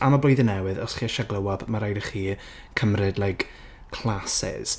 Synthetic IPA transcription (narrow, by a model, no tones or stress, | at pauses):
amablojðɪnɛwɨðɔsχiːəʃaɡlˠəwɔbmaɾajdəχiː | kʰəmrɨdlˠajk | kʰl̥ˠasɪ̰z̥